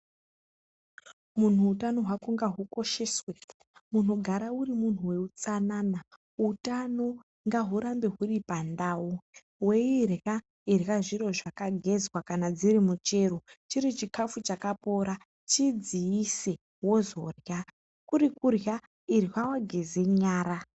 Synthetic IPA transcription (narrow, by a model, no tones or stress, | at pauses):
mun̤uːtano̞ɦwakuŋɡaɦuko̞ʃe̞swe | mun̤oɡʱaɾaurimun̤uwe̞ut͡sanaːna | utano̞ | ŋɡaɦuɾambe̞ɦuripandaːwu | we̞irja | irjaʐiɾo̞ʐakaɡʱe̞zwakanad͡ziɾimut͡ʃe̞ɾot͡ʃiɾit͡ʃikafut͡ʃakapo̞ɾa | t͡ʃid͡ziise | wo̞zo̞rja | kuɾikurja | irwawaɡʱe̞zeɲaːɾa